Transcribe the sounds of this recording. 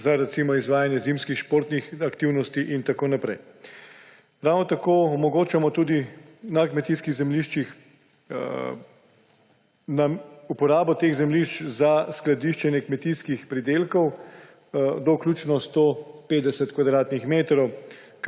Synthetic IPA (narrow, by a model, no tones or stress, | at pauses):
zaɾɛt̪simɔizʋaːjanjɛzimskixʃpoːɾt̪nixakt̪iwnɔst̪iʔint̪akoːnapɾɛj | ɾawnɔt̪akoːɔmɔɡoːt͡ʃamɔt̪uːd̪i | nakmɛt̪iskiɣzɛmliʃt͡ʃix | naupɔɾaːbɔt̪eːɣzɛmliʃt͡ʃzasklad̪iʃt͡ʃɛnjɛkmɛt̪iskixpɾid̪eːlkɔw | d̪ɔklʲuːt͡ʃnɔst̪opeːd̪ɛsɛt̪kʋad̪ɾaːt̪nixmeːt̪ɾɔw